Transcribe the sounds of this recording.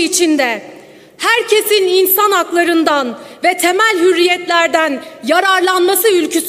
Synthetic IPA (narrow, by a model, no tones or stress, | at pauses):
it͡ʃʰind̪ɛ | hæɾcʰe̞sininsanaklˠaɾɯnd̪anvɛt̪ʰe̞mælʲɦyɾːijɛt̪lʲæɾd̪ænjaɾaɾlˠanmasɯylʲcʰys